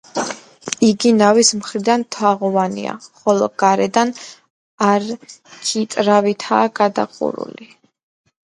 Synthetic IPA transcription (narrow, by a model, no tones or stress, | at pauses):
iɡinavismχɾid̪ant̪ʰwaʁɔvanḭa̰χɔlˠɔɡ̥aɾɛd̪an | aɾt͡ʃʰit̪ʼɾavit̪ʰaːɡad̪a̰qʼṵɾṵli